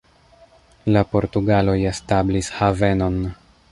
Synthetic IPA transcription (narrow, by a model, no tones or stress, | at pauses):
lapo̞ɾtuɡalo̞je̞stablishave̞no̞n